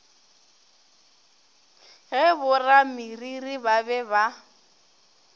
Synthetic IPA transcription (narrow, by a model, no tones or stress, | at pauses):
ɣɛbʊramiriribabɛba